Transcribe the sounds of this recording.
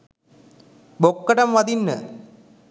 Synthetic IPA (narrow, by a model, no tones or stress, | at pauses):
bokːɐʈɐmʋɐd̪inːə̰